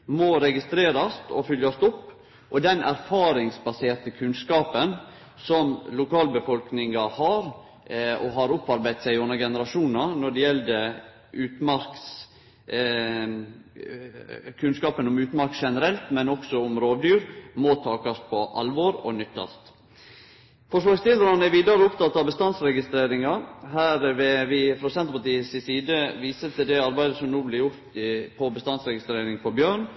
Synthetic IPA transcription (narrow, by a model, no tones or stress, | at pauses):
mɔɾɛɡɪst̪ɾeːɾɑst̪ɔ̰fʏljɑst̪ʊpː | ʔɔd̪ɛnʔæ̰ɾfɑːɾɪŋsbɑseːɾt̪əkʰʉnskɑːpən | sɔmlʊkʰɑːlbəfɔlknɪŋɑhɑɾ | ɔɦɑɾʊpːɑɾbæɪd̪sæɪɪʊnːəɡɛnəɾɑʂuːnnɑnɔɖɛjɛld̪ə | ʔʉːt̪mɑɾks | kʰʉnskɑːpənɔmʉːt̪mɑɾkʃɛnəɾɛlt̪mɛnɔksɔʊmɾoːʋd̪yːɾmɔt̪ʰɑːkɑspʰɔʔɑlʋɔɾɔ̰nʏt̪ːɑ̰lt̪ | fɔʂlɑːɡst̪ʰɪlɾɑnæʋiːd̪ɑɾəʊpt̪ɑt̪ːɑʋbəst̪ɑnsɾɛɡɪst̪ɾeːɾɪŋɑɦæːɾʋɛʋɪfɾoːsɛnt̪əɾpɑʈt̪iːəsɪsiːd̪əʋiːsət̪əd̪ɛɑɾbæɪd̪əsɔmnuːblɪjʊɾt̪ɪpʰɔbəst̪ɑnsɾɛɡɪst̪ɾeːɾɪŋfɔɾbjøːɳ